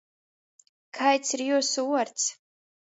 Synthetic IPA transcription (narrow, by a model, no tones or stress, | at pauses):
kʰajt͡sʰrjusuwart͡sʰ